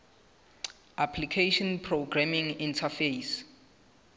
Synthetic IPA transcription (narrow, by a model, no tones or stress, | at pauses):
ʔapʰlikʰeʃɔnpʰroɡramĩŋĩntʰafejs